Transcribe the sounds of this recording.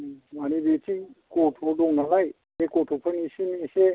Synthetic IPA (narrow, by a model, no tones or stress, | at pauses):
manibetikɔtʰɔdɔŋnalaj | ekɔtʰɔpʰənisenise